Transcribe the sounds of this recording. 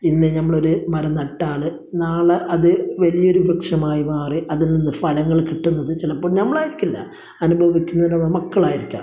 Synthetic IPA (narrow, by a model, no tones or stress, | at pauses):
inːenɐmːɐɭo̞ɾumɐɾɐnɐʈːaːɳɨ | naːɭɐʔɐðɨʋɐlijo̞ɾubʱɐkʂɐmaːjimaːriʔɐðilninːɨfɐlɐŋːɐɭkiʈːunːɐðɨt͡ɕilɐpːoːɭnɐmːɐɭaːjiɾikʲːɐlːɐ̰ | ɐnubʱɐʋikʲːunːɐðɨnɐmːɐɭmɐkːɐɭaːjiɾikʲːa̰ː